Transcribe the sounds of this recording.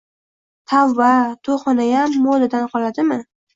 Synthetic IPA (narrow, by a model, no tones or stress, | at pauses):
t̪ʰawːat̪ʰoχɒnajamːod̪ad̪anqʰɒlad̪ɪmɪ